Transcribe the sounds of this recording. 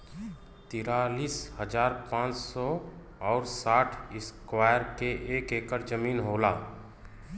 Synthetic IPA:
t̪iːɾaːliːshəd͡ʒaːɾpãːt͡ʃsɔ | ɔːɾsaːʈʰɪskwaːjəɾkeʔeːkeːkəɾd͡ʒəmiːnɦoːlaː

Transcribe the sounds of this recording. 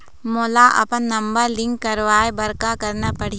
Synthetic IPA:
moːlaʔɐ̰pənːɐ̃mbəɾlɪ̃ŋkːɐɾʋaːebɐɾkakɐɾnapɐɽ̤i

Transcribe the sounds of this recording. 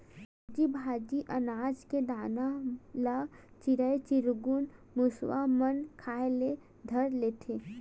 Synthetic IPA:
d͡ʒibʱaːd͡ʒiʔənaːd͡ʒked̪aːnalat͡ʃiɾəet͡ʃɪɾɡun | mʊswamənkʰaːele | d̪ʱəɾleːt̪ʰeː

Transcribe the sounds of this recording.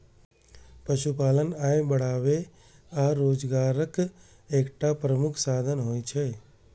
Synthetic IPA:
pəʃupalənaebəɽ̤aʋe | aɾoːd͡ʒɡaɾək | ekʈapɾəmukʰsad̪ʱənɦojt͡ʃʰe

